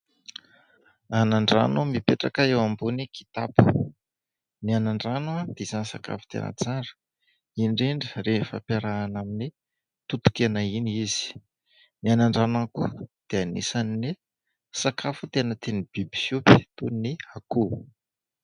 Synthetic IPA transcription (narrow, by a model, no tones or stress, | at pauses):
anaɳɖ͡ʐa̰numipeʈ͡ʂakəewambunikʰi̥t̪apu̥ | nianaɳɖ͡ʐanad̪̥ez̥anisa̰ka̰fu̥t̪ḛnə̰t͡saɾə̥ | inɖ͡ʐeɳɖ͡ʐəɾefa̰paɾaːnamini | t̪ut̪u̥kʲenainiiz̥i̥ | nianaɳɖ͡ʐanankud̪̥eanḭsanini | sakʰafut̪enət̪enib̥ibi̥sjupi̥t̪unniaku